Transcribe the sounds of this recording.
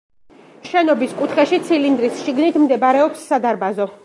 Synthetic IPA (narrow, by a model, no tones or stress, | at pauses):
ʃɛnɔbiskʼut̪ʰχɛʃit̪sʰilind̪ɾisʃiɡnit̪ʰmd̪ɛbaɾɛɔpsːad̪aɾbazɔ